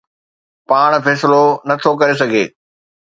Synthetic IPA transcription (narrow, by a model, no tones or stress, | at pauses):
paːɽ̃fɛːsɪlonɐt̪ʰokɐɾes̬ɐɡʱḛː